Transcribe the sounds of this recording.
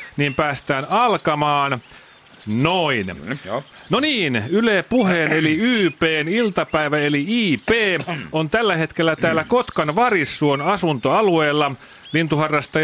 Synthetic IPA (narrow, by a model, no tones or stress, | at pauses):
niːmpæːst̪æːnɑlkɑmɑːn | noin | noniːnyleːpuheːneliyːpeːnilt̪ɑpæiʋæeliiːpeːont̪ælːæhe̞t̪kelːæt̪æːlːækot̪kɑnʋɑrisːuonɑsunt̪oɑlueːlːɑ | lint̪uhɑrːɑst̪ɑ